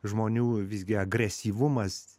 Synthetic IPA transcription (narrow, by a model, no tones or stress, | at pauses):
ʒmoːnʲuːʋʲɪzʲɡʲɪɐɡɾʲɛsʲiːʋʊmɐs